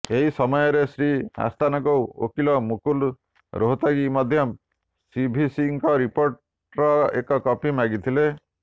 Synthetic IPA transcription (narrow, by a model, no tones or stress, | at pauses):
eɦisɔmɔjɔɾesɾia̰st̪anɔkɔwo̰kilɔmukul | ɾoɦut̪aɡimɔd̪ʱjɔ | sibʱisiŋkɔɾipoɾʈ | ɾɔekɔkɔpimaɡit̪ʰile